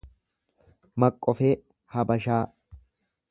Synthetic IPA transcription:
mɐkʼːɔfeː | hɐbɐʃaː

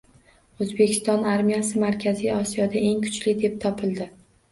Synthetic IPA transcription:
ɵzbekʲʰɪ̥st̪ɒnaɾmijasɪmaɾkʲʰaziɒsijɒd̪ae̞ŋkʰʊ̥t͡ʃlɪd̪e̞p̚t̪ʰɒpʰɪlˠd̪ɪ

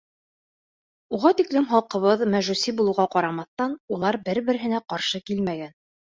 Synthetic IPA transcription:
uʁɑt̪iklɘmχɑlˠqɤ̆βɤðmæʒʉsibulˠɤ̆wʁɑqɑɾɑmɑθt̪ɑnulˠɑɾbɘɾbɘ̆ɾɘ̆ɦɘ̆næqɑɾʃɤkilmæɡæn

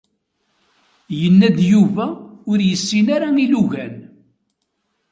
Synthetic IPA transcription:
jənːæd̪juvæʊɾjəsːinaɾailuʝæn

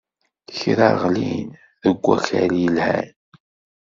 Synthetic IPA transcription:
çɾæɾʁlin | ðəɡʷːæxæɾjəlhæn

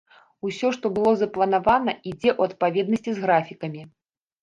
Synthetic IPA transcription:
usʲɔʂt̪ɔbɨlˠɔzɐplˠɐnavanɐid͡zʲɛʔuɐt̪̚pavʲɛd̪nɐsʲt͡sʲizɣɾafʲikɐmʲi

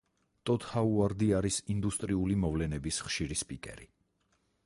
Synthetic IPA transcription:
t̪ʼɔt̪ʰhauaɾd̪iaɾisind̪ust̪ʼɾiulimɔvlɛnɛbisχʃiɾispʼikʼɛ̰ɾi

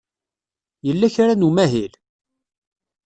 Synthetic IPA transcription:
jəlːæçɾanumæɦil

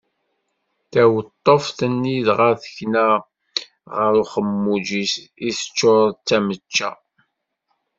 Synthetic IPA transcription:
θæwət̪ˤːofθənːiðʁəɾθə̥çna | ʁəɾuχəmːud͡ʒisisə̥t͡ʃːoɾðt͡sːæmət͡ʃːæ̰

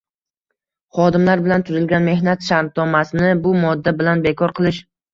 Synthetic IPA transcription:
χɒd̪ɪmlaɾbɪlant̪ʰʊzɪlɡʲanme̞hnat̪ʃaɾnɒmasɪnɪbʊmɒd̪ːabɪlanbekʰɒɾqʰɨlˠɪʃ

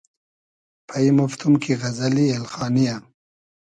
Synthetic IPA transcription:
pʰaimʊft̪ʰumkʰiɣazalielxɑːnija

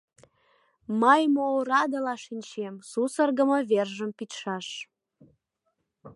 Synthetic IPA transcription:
məjmoɾɑd̪əlɑʃinʲt͡ɕemsusərɣəmə̆βerʒəmpit̪ʃɑʃ

